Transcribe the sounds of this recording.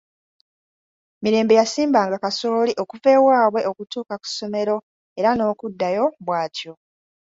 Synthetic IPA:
miɾe̞ːmbe̞jasiːmbaːŋɡakasoːliʔo̞kuve̞waːβwe̞ʔo̞kutuːkaku̥so̞me̞ɾo̞ | e̞ɾano̞ːkudːajo̞βwaːtjo̞

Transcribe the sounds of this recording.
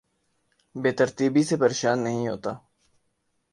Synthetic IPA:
beːt̪əɾt̪iːbisepəɾeːʃaːnːəɦĩɦo̰ːt̪aː

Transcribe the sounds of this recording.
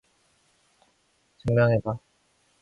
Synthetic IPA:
t͡ɕɯŋmjaŋɦeba

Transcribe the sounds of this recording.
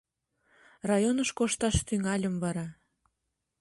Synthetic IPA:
rɑjonəʃkoʃt̪ɑʃt̪yŋɑlʲəmvɑɾɑ

